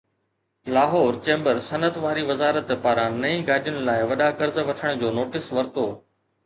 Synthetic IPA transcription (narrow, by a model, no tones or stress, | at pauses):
laːɦɔːɾt͡ɕẽːmbəɾsɐnət̪ʋaːɾiʋɐzaːɾət̪paːɾãnɐĩːɡaːɗijʊnɪ̆laːɪʋɐɗakɐɾzʋɐʈʰəɽ̃ʊd͡ʑoːnoːʈɪsʋɐɾt̪oː